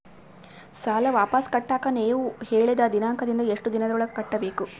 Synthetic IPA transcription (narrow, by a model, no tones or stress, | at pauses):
saːlɐʋaːpɐskɐʈːaːkɐneːʋuheːɭid̪ɐd̪inaːŋkʰɐd̪ind̪ɐeʂʈud̪inɐd̪ɔɭɐkɐʈːɐbe̞ːku